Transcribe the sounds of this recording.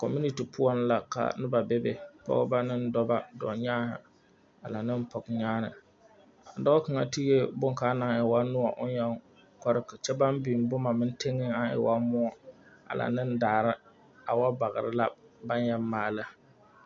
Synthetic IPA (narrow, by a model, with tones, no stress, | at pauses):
kɔ̰˨mu˦ni˦ti˨pʰʊ˦ɔ˦n˦la˨ka̰˨nɨ˦ba˨be˦bḛ˨pɔ̰˦ɡba˦nɪ˦n˦dɔ˦ba˦dɔ̰˨ɲaː˦hɪ̰˨ | a˨la˨nɪ˦m˦pɔ˨kɲaː˦nɨ˨ | a˨dɔ˦kɨ˨ŋa̰˦ti˦e˦bʊ˦ŋ˨ka˨˦na˨ŋɪ˨wa˦nʊ˦ɔ̰˨ʔʊ˦njɛ˦ŋ | kɔ˦ɾɨ˦kɨ˨t͡ʃɛ˦ba˦m˦bi˨m˦bʊ˦ma˨mɪ˦n˦te˦ŋːɪ˦a˦ɪ̰˨wa˦mʊ˦ɔ˨ | a̰˨lʔa̰˨nɪ˦n˦daː˨ɾɪ˦ | a˨wa˦ba˨ɣɪ̰˨ɾɪ˦la˦ba˦ɲjɛ˦maː˨lɨ˦